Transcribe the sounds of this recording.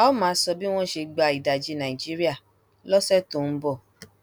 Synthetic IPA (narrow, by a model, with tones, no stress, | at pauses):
a˦ɔ˦mãː˨˦sɔ˧bi˦w̃ɔ̃˦ʃe˧ɡ͡ba˧˨i˨da˨d͡ʒi˨˦nã˨i˨d͡ʒi˦ɾi˦a˦˨ | lɔ˦sɛ˦to˨n̩˦bɔ˦˨